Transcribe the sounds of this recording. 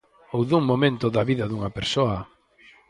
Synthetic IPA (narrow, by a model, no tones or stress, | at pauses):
owðuŋmomẽnt̪ʊðɐβiðɐðuŋɐpeɾsoɐ